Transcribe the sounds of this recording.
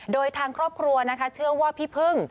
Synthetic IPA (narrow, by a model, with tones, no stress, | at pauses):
doː˧jt̪ʰaː˧ŋkʰɾɔː˥˩p̚kʰɾu˧ɐna˦˥kʰa˦˥t͡ɕʰɯ˥˩ɐwaː˥˩pʰiː˥˩pʰɯ˥˩ŋ